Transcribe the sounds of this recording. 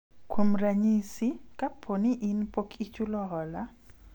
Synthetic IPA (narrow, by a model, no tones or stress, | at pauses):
kwomɾaɲisikapʰoniʔinpokʰit͡ʃulɔɦɔla